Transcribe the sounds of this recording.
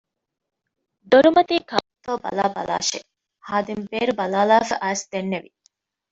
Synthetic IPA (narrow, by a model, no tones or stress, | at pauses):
d̪oɾumɐt̪iːkaːt̪oːbɐ̰laːbɐ̰la̰ːʃḛ | haːd̪imbeːɾubɐlaːlaːfɐʔæːsd̪̥enːeʋi